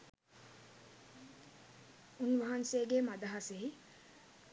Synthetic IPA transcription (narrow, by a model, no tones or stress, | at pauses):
unʋɐɦanseːɡemad̪ɐɦaseɦi